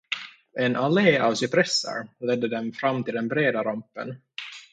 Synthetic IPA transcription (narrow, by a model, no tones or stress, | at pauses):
ʔɛnaleːavsʏpʰɾɛsːə̰ɾlɛd̪ːəd̪ɛmfɾamːt̪ʰɪld̪ɛnbɾeːd̪aɾampːə̰n